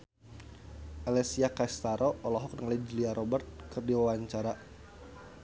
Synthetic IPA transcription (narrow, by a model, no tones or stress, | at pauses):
ʔalɛsiakaist̪aɾʔɔːlɔɦɔk̚nəŋalad͡ʒiliaɾʔɔbərt̪̚kɨrdiwawaɲt͡ʃaɾa